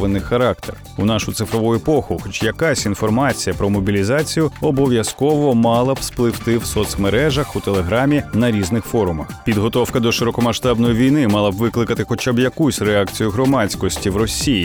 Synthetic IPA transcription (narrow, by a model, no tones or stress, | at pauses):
ʋenːɪxɐɾɑkt̪er | unɑʃʊt̪sɪfɾɔʋujepɔxʊxɔt͡ʃjɐkasʲinfɔrmɑt͡sʲijɐpɾɔmɔbʲilʲizɑt͡sʲijʊɔbɔʋʲjɐskɔʋɔmɑlˠɐb̥splˠɪwt̪ɪwsɔt̪smeɾɛʒɐxut̪elˠeɦɾamʲinɐɾʲiznɪxfɔɾʊmɐxpʲid̪ɦɔt̪ɔwkɐd̪ɔʃɪɾɔkɔmɐʃt̪ɑbnɔjiʋʲijnɪmɑlˠɐbʋɪklˠɪkɐt̪ɪxɔt͡ʃabjɐkusʲreakt͡sʲijʊɦɾɔmɑt͡sʲkɔsʲtʲiwrɔsʲiji